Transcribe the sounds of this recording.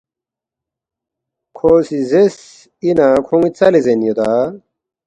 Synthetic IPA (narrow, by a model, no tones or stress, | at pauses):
kʰoːsizes | inakʰuŋit͡sɐlizenjod̪a